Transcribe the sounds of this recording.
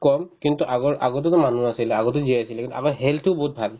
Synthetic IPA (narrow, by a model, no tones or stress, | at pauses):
kɔmkintuʔaɡɔɹʔaɡɔt̬utʊmanuasilɛaɡɔt̬uziɛasilɛkintuamaɦɛltʊbɔɦut̚bʱal